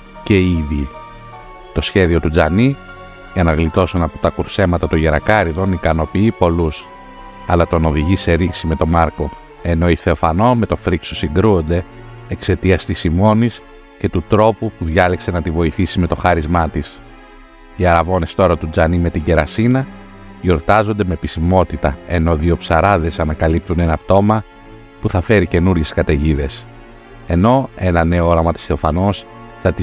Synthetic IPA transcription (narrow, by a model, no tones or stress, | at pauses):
ce̞iði | t̪o̞sçe̞ðio̞t̪ud͡zɐni | ʝɐnɐɣlit̪o̞sonɐpo̞t̪ɐkuɾse̞mɐt̪ɐt̪oʝeɾɐ̰kɐɾiðo̞nikɐno̞piipo̞lus | ɐlɐt̪o̞no̞ðiʝise̞ɾisime̞t̪o̞mɐɾko̞ | e̞no̞iθe̞ofɐno̞me̞t̪o̞fɾikso̞siŋɡɾuond̪e̞ | ekse̞t̪iɐst̪isimo̞nis | ce̞t̪ut̪ɾo̞pupuðʝɐlekse̞nɐt̪ivo̞iθisime̞t̪o̞xɐɾizmɐt̪is | iɐɾɐvo̞ne̞st̪o̞ɾɐt̪ud͡zɐnime̞t̪iɟe̞ɾɐsinɐ | io̞ɾt̪ɐzo̞nd̪e̞me̞pisimo̞t̪it̪ɐe̞no̞ðio̞psɐɾɐðe̞sɐnɐkɐlip̚t̪une̞nɐt̪o̞mɐ | puθɐfe̞ɾice̞nuɾʝe̞skɐt̪e̞ʝiðe̞s | e̞no̞e̞nɐne̞o̞oɾɐmɐt̪i̥sθe̞ofɐno̞s | θɐt̪i